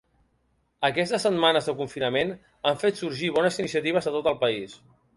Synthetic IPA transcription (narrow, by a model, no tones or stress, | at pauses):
əkɛs̬t̪əsːət̪manəzðəkuɱfinəmen | aɱfet̪suɾʒiβɔnəzinis̬iət̪iβ̞əzət̪ot̪əlˠpəis